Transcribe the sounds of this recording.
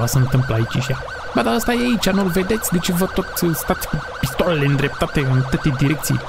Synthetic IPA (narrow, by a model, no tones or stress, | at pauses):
vasəɨnt̪ɨmpləait͡ʃeʃia | bad̪aəst̪ajeait͡ʃʲanulve̞d̪e̞t̪sʲd̪et͡ʃevət̪ot̪sʲst̪at̪sʲku | pist̪oleleɨnd̪ɾʔe̞p̚t̪at̪eɨnat̪ɨt̪ed̪iɾek̚t̪sij̰